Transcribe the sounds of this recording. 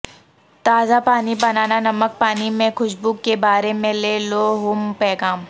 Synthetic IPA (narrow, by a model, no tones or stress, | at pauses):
t̪aːzapaːnibɐnaːnanɐmək̚paːnimẽxʊʃbuːkːebaːɾemẽleːloɦʊmpɛːɡaːm